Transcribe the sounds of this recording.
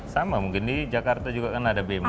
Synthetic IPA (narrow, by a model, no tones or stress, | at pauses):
samamuŋkɪndid͡ʒakart̪ad͡ʒuɡakanaːdabem